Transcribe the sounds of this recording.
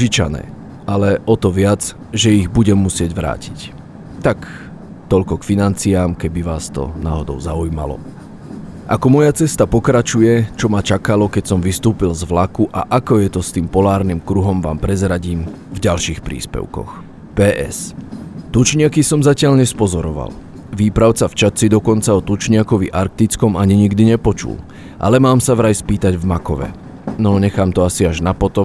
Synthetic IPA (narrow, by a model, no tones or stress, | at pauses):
ʒit͡ʃa̰nɛ̰ː | ʔalɛʔɔt̪ɔʋɪad͡z | ʒɛiɣbuɟɛmːusɪɛɟʋɾa̰ːci̥c | t̪ak | t̪ɔʎkɔkfinant͡siaːmkɛbiʋaːst̪ɔ̰na̰ːɦɔd̪ɔ̰ʊzaujma̰lɔ̰ | ʔakɔmɔjat͡sɛst̪apɔkɾat͡ʃujɛt͡ʃɔmat͡ʃakalɔkɛcsɔmʋist̪uːpilzʋlakuʔa̰ʔakɔjɛt̪ɔst̪iːmpɔlaːɾnimkɾuɦɔmʋa̰ːmpɾɛzɾaɟiːmvɟalʃiːxpɾḭːspɛ̰ʊkɔ̰x | pɛːʔɛ̰st̪ut͡ʃɲɪakisɔmzacɪaʎɲɛspɔzɔɾɔʋa̰l | ʋiːpɾaʊt͡saft͡ʃat͡sid̪ɔkɔnt͡saɔt̪ut͡ʃɲɪakɔʋiʔaɾk̚t̪it͡skɔmaɲiɲiɡd̪iɲɛpɔt͡ʃṵl | ʔa̰lɛmaːmsaʋɾajspiːt̪aɟvmakɔʋɛ̰ | nɔɲɛxaːmt̪ɔasiaʒnapɔt̪ɔm